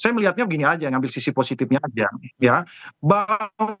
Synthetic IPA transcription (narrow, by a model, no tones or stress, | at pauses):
sajaməliɦat̪̚ɲabəɡiniad͡ʒaŋambɪlsisiposit̪ɪfɲaːd͡ʒajabaŋ